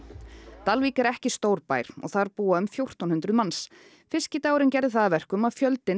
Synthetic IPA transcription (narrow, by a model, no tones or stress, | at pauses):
t̪alviːkɛɾɛhcɪst̪owɾpa̰ːjɾ̥ɔ̰ɣθaɾpuːaʏmfjowr̥t̪ɔnhʏnt̪ɾʏðmans | fɪscɪt̪aːwɾɪncɛɾðɪθaðvɛr̥kʏmaðfjœlt̪ɪ